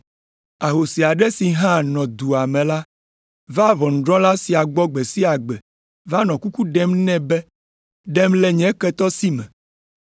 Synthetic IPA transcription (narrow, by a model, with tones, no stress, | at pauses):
a˨ɦo˨si˨a˨ɖɛ˦si˨ɦã˦nɔ̃˨d̪u˨a˨mɛ̃˨la˦ | va˦βɔ˨n̩˨ɖɾɔ̃˦la˦si˨a˨ɡ͡bɔ˦ɡ͡be˨si˦a˨ɡ͡bɛ˨ | va˦nɔ̃˨ku˦ku˦ɖɛ˦mnɛ̃˦bɛ˦ | ɖɛ˦mlɛ˦ɲɛ̃˨˦kɛ˦t̪ɔ˦si˦mɛ̰̃˨